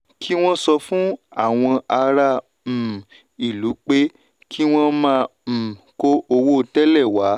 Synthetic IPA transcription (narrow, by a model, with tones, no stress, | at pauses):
kʰi˦w̃ɔ̃˦sɔ˧fũ˦a˦˨w̃ɔ̃˧a˧ɾa˧˨ | m̩˨ | i˨lu˨˦k͡pe˦ | kʰi˦w̃ɔ̃˦mãː˧˨ko˧o˧wo˦˨tɛ˦lɛ˦˨wa˨˦